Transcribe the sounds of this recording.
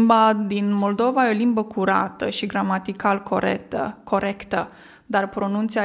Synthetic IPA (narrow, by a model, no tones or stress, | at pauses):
mbad̪inmo̞ld̪o̞vajeo̞limbəkuɾa̰t̪əʃiɡɾamat̪ikalkʰoɾet̪ə̰ko̞ɾekt̪ə | d̪arpɾo̞nunt̪sia